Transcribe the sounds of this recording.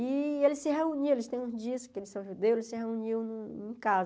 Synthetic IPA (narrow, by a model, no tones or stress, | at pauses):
ielɪsɪɦeuniwelɪst̪ẽj̃ũzd͡ʒiɐskɪelɪsɐ̃w̃ʒud̪ewelɪsɪɦeuniwñẽkazɐ